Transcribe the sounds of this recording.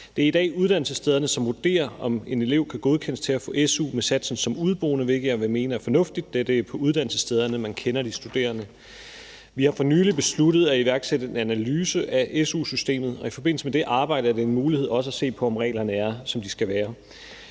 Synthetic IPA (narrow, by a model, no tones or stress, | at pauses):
d̥e̝æɐid̥ɛ̰ːuð̞ˠd̥æn̰l̩səsd̥eð̞ˠɐnəsɒ̽mʋoɐd̥e̝̰ːɐɒ̽me̝ne̝le̝ʊ̰kʰæɡ̥o̝ð̞ˠkʰen̰əst͡sʰe̝læfɔ̰̽ːʔesṵːmesæd̥sn̩sɒ̽muð̞ˠb̥ʁo̝̰ːnəʋe̝ɡ̥əɐʋæme̝ːnɐæɐfɒ̽nɔ̽fd̥id̥ːed̥əpʰɒ̽uð̞ˠd̥æn̰l̩səsd̥eð̞ˠɐnəmænkʰenɐd̥isd̥ud̥e̝̰ːɐnə | ʋihɑ̈fɒ̽nyːlib̥e̝slud̥ð̞̩ˠæiʋæɐɡ̥sed̥əe̝nænælyːsəʔæʔesṵːsysd̥e̝̰ːmð̞̩ˠɒ̽ifɒ̽be̝n̰l̩səmed̥e̝ʔɑ̈ːb̥ɑ̈ɪ̰ɾ̥əæɐdeenmuːlihe̝ð̞̰ˠɒ̽s̬əæse̝̰ːpʰɒ̽ɒmʁɛ̰ːlɐnəæɐsɒ̽md̥isɡ̥æʋæːɐ